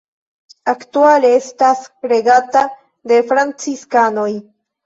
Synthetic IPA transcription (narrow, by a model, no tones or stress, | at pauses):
aktualeestasɾe̞ɡata | de̞fɾant͡siskano̞j